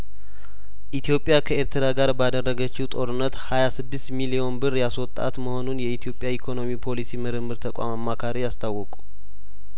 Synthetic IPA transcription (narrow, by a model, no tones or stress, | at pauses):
ʔit̪ʰjo̞pʼːjakʰəe̞ɾt̪ʰɾaɡaɾbad̪ərːəɡət͡ʃːit̪ʼo̞ɾɨnːət̪hajasɨd̪ːɪst̪milio̞nbɨrjaswɔt̪ʼːa̰t̪məho̞nunjɛit̪ʰijo̞pʼjaikʰo̞no̞mipʰo̞lisimɨɾɨmːɨɾt̪ʰəkʼa̰mamːakʰaɾijast̪ʰawːɔkʼu̥